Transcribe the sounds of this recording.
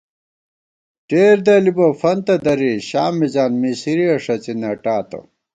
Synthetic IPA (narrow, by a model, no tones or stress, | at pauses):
ʈeːɾd̪ɐlibɐfɐnt̪ɐd̪ɐɾiɕaːmːid͡ʑaːnmisiɾiɐʂɐt͡sinɐʈaːt̪ɐ̰